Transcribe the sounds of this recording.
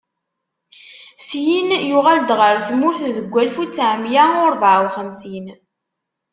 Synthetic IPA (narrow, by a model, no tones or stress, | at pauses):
sjinjʊʁæld̪ʁəɾθmʊɾθðəɡʷːælfut͡sːʕmjaʊɾˤbʕwχəmsin